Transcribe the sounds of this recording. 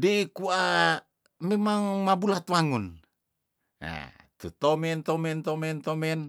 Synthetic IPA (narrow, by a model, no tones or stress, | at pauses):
deikua | memaŋmabulat̪waŋun | a̰ | t̪ut̪omɛnt̪omɛnt̪omɛnt̪omɛn